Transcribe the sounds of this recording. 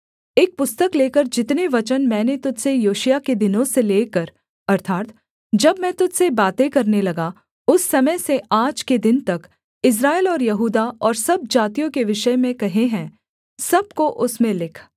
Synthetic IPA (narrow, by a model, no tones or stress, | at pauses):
eːk̚pʊst̪əkleːkəɾd͡ʒɪt̪neʋɐt͡ʃənmɛ̃ːnet̪ʊd͡ʒ̪sejoːʃijaked̪ɪnõseleːkɐɾ | ɐɾt̪ʰaːt̪ | d͡ʒɐbmɛ̃ːt̪ʊd͡ʒ̪sebaːt̪ekɐɾnelɐɡa | ʊsːɐməjseaːd͡ʒked̪ɪnt̪ɐk | ɪs̬ɾaːelɔːɾjɐɦuːd̪aɔːɾsɐb̚d͡ʒaːt̪ijõkeʋɪʃəjmẽkɐɦeɦɛ̃ː | sɐb̚koʔʊsmẽlɪkʰ